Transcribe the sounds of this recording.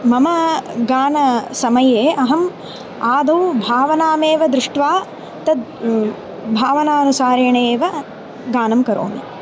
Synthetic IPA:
mɐmɐɡaːnɐsɐmɐjeːɐɦɐm | aːd̪ʱɐwbʱaːʋɐnaːmeːʋɐd̪ɾɪʂʈʋaː | t̪ɐd̪ | bʱaːʋɐnaːnusaːɾeːɳeːʋɐ | ɡaːnɐmkɐɾo̰ːnḭ

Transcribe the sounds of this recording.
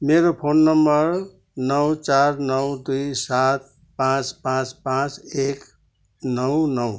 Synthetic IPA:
meɾopʰonːʌmbʌɾ | nʌwt͡sarnʌwd̪ujsat̪̚ | pãt͡spãt͡spãt͡sek | nʌwnʌw

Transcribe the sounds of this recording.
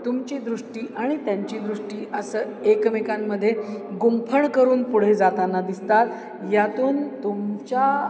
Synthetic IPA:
t̪umt͡ɕiːd̪ɾuʂʈiːʔaɽ̃it̪jaɲt͡ɕiːd̪ɾuʂʈiːʔəsəː | ekmekamːəd̪ʱːjeɡumpʰəɳkəɾuːnpuɽ̤ed͡zat̪anad̪ist̪at̪ | jat̪uːnt̪umt͡ɕa

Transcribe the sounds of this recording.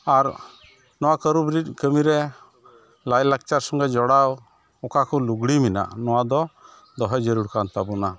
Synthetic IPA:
aɾ | nɔwakəɾubɾit̚ˀkəmiɾɛ | lajlak̚t͡ʃaɾsɔŋɡad͡ʒɔɽaw | ɔkakuluɡɽimina̰nɔwad̪ɔ | d̪ɔɦɛd͡ʒəɾuɽkant̪abuna

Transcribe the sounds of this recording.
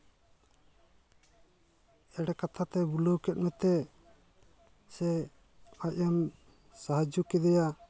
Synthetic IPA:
ɛɽɛkat̪ʰat̪ɛbuləwkɛt̪̚mɛt̪ɛ | sɛ | aʔam | saɦad͡ʒukɛd̪ɛja

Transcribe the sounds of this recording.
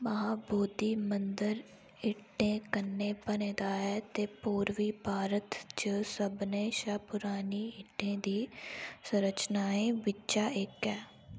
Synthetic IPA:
məɦaːboːd̪iːmənd̪əɾ | ɪʈːẽːkənːeːpənẽːd̪aːɦɛːt̪eːpuːɾʋiːpaːɾət̪t͡ʃəsəbnẽːʃaːpʊɾaːniːɪʈːẽːd̪iːsəɾət͡ʃnaːẽːʋɪtːt͡ʃaːɪkɛː

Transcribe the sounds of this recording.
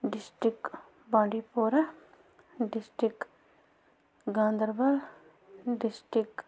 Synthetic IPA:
ɖɪsʈɾɪk | bãːɖipoːɾa | ɖɪsʈɾɪk | ɡãːnd̪əɾbɐl | ɖɪsʈɪk

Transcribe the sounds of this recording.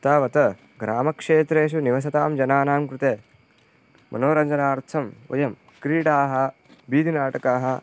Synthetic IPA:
t̪aːʋɐt̪ɐ | ɡɾaːmɐkʂeːt̪ɾeːʃ̬uniʋɐs̬ɐt̪aːmd͡ʒɐnaːnaːmkɾut̪eː | mʔɐ̰noːɾɐɲd͡ʒɐnaːɾt̪ʰɐmo̰jɐm | kɾiːɽaːɦɐ̆ | biːd̪ʱinaːʈɐkaːɦɐ̆

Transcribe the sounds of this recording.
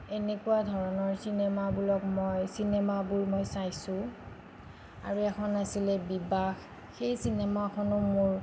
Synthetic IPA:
enekuadʱɔɹɔnɔɹsinɛmabulɔkmɔjsinɛmabuɹmɔjsajsʊ̃ | a̰ɹuɛkʰɔnasilɛbibax | xejsinɛmakʰɔnʊmʊɹ

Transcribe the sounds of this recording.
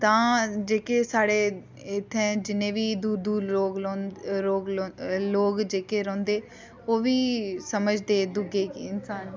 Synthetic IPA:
t̪ãːd͡ʒeːkeːsaːɽeː | et̪ʰɛ̃ːd͡ʒɪnẽːʋiːd̪uːɾd̪uːɾoːɡlːɾoːɡloːɡd͡ʒeːkeːɾɔ̃ːnd̪eː | oːʋiːsəməd͡ʒd̪eːd̪ʊɡeːkɪnsaːn

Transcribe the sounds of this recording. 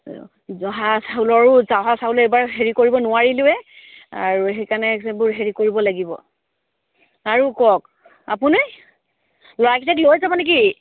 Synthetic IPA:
zɔɦasaulɔɹʊzaɦasaɦulɛjbaɹɦeɹikoɹibɔnʊaɹilʊɛa̰ɹuɦekanɛsbʊɹɦeɹikoɹibɔlaɡibɔ̰ | aɹukɔk̚ | a̰p̬uni | lɔɹakʰitɛklojzamanɛk̬i

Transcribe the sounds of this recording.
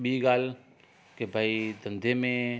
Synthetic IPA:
biɡaːl | kebʱaid̪ɐ̃nd̪ʱemẽ

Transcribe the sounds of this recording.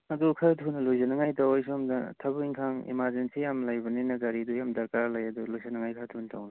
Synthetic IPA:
ɐdukʰatʰunlujzanaŋajtawajsɔmdɐ̰tʰɐbuiŋkʰaŋḭmaɾzensijamlajbɐninɐɡaɾidujamdɐɾkaɾlɐjɐdulojzanaŋajkʰatʰuntʰawna

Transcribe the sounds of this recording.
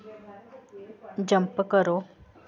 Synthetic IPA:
d͡ʑəmpəkəɾo

